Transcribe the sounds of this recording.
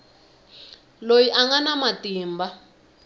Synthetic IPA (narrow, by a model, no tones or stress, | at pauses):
lojiʔaŋɡanamatiːmba